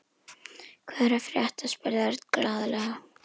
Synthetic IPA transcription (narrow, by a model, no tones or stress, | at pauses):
kʰvɛðɾafɾjaht̪aspɛɾðaɾt̪kɾaːðalɛɣa